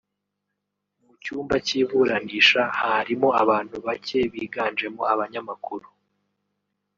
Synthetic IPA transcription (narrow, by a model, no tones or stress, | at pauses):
mut͡ʃuːmbaciːβuɾaniːʃahaɾimo̞aβaːn̥huβace̞βiːɡaːnd͡ʒe̞moaβaɲamakuɾu